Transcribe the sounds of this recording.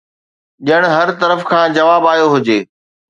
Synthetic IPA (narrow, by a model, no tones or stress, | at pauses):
ʄəɽ̃ɦɐɾt̪ɐɾəfkʰãːd͡ʑɐʋaːbaːjoɦʊd͡ʑeː